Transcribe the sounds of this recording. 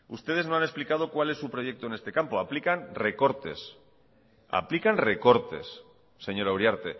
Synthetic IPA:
ust̪e̞ð̞e̞znoane̞splikað̞o̞kwale̞sːupɾo̞jʝek̚t̪onest̪e̞kampoaplikanre̞ko̞ɾt̪e̞s | a̰plikanre̞ko̞ɾt̪e̞̰sː | e̞ɲo̞ɾawɾjaɾt̪e̞

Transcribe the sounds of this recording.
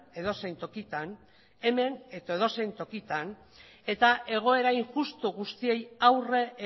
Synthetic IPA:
e̞ðo̞se̞jnt̪o̞kit̪an | e̞me̞net̪oeð̞o̞se̞jnt̪o̞kit̪an | e̞t̪aʔe̞ɣ̞o̞e̞ɾaiŋʝust̪uɣust̪ie̞jawre̞

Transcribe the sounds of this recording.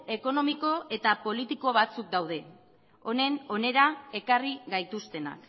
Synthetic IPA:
e̞ko̞no̞miko̞ʔe̞t̪apo̞lit̪iko̞β̞at͡suk̚d̪awð̞e̞ | o̞ne̞no̞ne̞ɾae̞kariɣajt̪ust̪e̞na̰k

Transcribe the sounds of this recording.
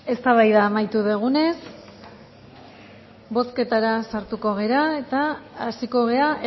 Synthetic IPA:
e̞st̪aβajðaːmajt̪uðeɣ̞une̞s | bo̞ske̞t̪aɾasaɾt̪uko̞ɣ̞e̞ɾae̞t̪aːsiko̞ɣ̞e̞a

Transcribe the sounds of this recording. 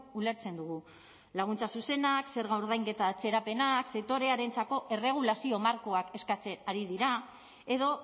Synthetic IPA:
ule̞ɾt͡se̞nd̪uɣ̞u | laɣ̞unt͡sasuse̞nakse̞ɾɣaoɾð̞ajŋɡe̞t̪aːt͡se̞ɾape̞nakset̪o̞ɾe̞aɾe̞nt͡sako̞ʔe̞re̞ɣ̞ulasio̞maɾko̞ake̞skat͡se̞naɾið̞iɾa | e̞ðo̞

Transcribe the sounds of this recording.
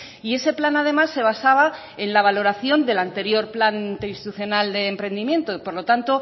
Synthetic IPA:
ie̞se̞planað̞e̞masːe̞β̞asaβa | e̞nlaβ̞alo̞ɾaθjo̞nd̪e̞lant̪e̞ɾjo̞ɾplanint̪einst̪it̪uθjo̞nald̪e̞ːmpɾe̞nd̪imje̞nt̪o̞ipoɾlo̞t̪ant̪o̞

